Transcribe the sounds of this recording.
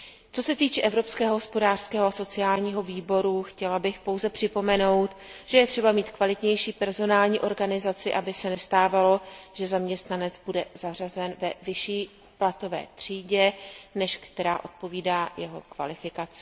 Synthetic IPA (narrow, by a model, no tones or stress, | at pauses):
t͡so̞sɛt̪iːt͡ʃɛʔɛvɾo̞pskɛːɦoɦospo̞daːr̥skɛːɦoaso̞t͡sɪaːlɲiːɦo̞viːbo̞ɾuxcɛlabɪxpo̞wzɛpr̥ɪpo̞mɛno̞wt̪ʒ̥ɛjɛt̪r̥ɛbamiːt̪kvalɪt̪ɲɛjʃiːpɛɾzo̞naːlɲiːʔo̞ɾɡanɪzat͡sɪʔabɪsɛnɛst̪aːvalo̞ʒ̥ɛzamɲɛst̪nanɛt͡sbudɛz̥arazɛnvɛvɪʃiː | plat̪o̞vɛ̰ːt̪r̝̥iːɟɛnɛʃkt̪ɛɾaːʔo̞t̪̚po̞viːdaːjɛɦokva̰lɪfɪkat͡sɪ̥